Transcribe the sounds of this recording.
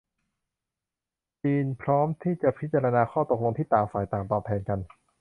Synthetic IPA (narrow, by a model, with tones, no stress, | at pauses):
t͡ɕiː˧npʰɾɔː˦˥mt̪ʰiː˥˩t͡ɕa˨˩pʰi˦˥t̪̚t͡ɕa˧ɾa˧naː˧xʰɔː˥˩t̪o˨˩k̚lo˧ŋt̪ʰiː˥˩t̪aː˨˩ŋfaː˨˩jt̪aː˨˩mt̪ɔː˨˩p̚t̪ʰɛː˧nka˧n